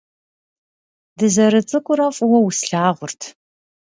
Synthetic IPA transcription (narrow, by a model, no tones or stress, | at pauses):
dɨzɐɾɨt͡sʼɨkʷʼʊɾɐfʼʊwɔwʊsɬaːʁʷʊrtʰ